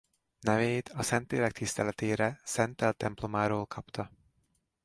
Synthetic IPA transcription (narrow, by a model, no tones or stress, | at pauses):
nɛveːt̪ʰɒsɛnt̪leːɾɛk̚t̪ʰist̪ɛlɛt̪eːɾɛsɛnt̪ɛlt̪ːɛmplo̞maːɾoːlkʰɒpt̪ɒ